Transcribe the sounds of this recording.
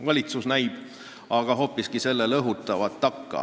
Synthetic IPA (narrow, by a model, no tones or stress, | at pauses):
vɑlʲit̪susnæjb̥ | ɑɡ̥ɑɦo̞ːpːˑiskise̞lːelɤɦut̪ːˑɑvɑt̪ːɑkːɑ̰